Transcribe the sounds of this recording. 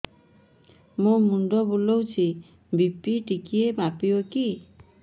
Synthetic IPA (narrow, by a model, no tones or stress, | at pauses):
mumuɳɖɔbulowt͡ʃʰi | bipiʈikiemapioki